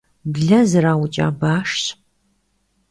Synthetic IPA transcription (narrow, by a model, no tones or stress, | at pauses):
bɮɐzɨɾaːwʊt͡ʃʼa̰ːbaːʂɕ